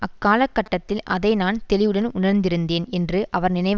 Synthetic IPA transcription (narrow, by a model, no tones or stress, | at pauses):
ʔɐkːaːlɐkːɐʈːɐt̪ːɪlʔɐðɐɪnaːnt̪ɛlɪʋɯɽɐnʊɳɐɾnd̪ɪɾɯnd̪eːnɛndrɯʔɐʋɐɾnɪnɐɪ